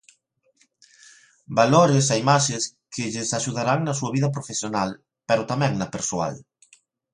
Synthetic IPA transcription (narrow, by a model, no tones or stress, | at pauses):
baloɾeseimaʃeskʰɪʎɪsaʃuðaɾaŋnɐsuɐβ̞iðɐp̬ɾofesjonal | peɾot̪amɛ̃ŋnɐpeɾsoa̰l